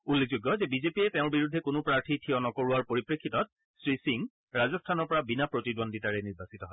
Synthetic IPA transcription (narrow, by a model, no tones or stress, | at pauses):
ulːek̚zuɡːɔzɛbizepiɛtɛʊ̃ɹbiɹudʱːɛkonʊpɹaɹtʰitʰiɔnɔkoɹuaɹpoɹipɹekʰːitɔt̚ | sɹisiŋ | ɹazɔstʰanɔɹpɔɹabinapɹotidonditaɹɛniɹbasitɔɦɔɛ